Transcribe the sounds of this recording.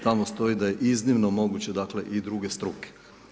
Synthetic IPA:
t̪amost̪o̞id̪ajeʔiznimnomo̞ɡut͡ɕe̞d̪akle̞ʔid̪ɾuɡest̪ɾuke̥

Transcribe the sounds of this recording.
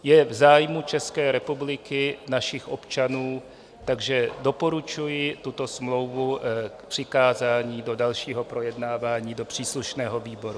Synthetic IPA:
jɛvzaːjmut͡ʃɛskɛːɾɛpublɪkɪnaʃɪxʔo̞pt͡ʃanuː | t̪aɡʒɛdo̞po̞ɾut͡ʃujɪt̪ut̪o̞smlo̞wvukpr̥ɪkaːzaːɲiːdo̞dalʃiːɦo̞pɾo̞jɛdnaːvaːɲiːdo̞pr̝̥iːsluʃnɛːɦo̞viːbo̞ɾu

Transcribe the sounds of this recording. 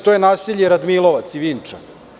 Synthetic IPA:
t̪o̞jenaːsiʎeɾad̪milˠo̞ʋat̪siʋiːnt͡ʂa

